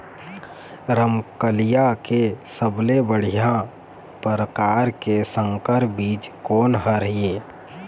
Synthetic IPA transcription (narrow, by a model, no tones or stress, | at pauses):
ɾəmkəlijakesəblebəɽ̤ijã | pəɾəkaːɾkesə̃ŋkəɾbiːd͡ʒkoːnɦəɾɦieː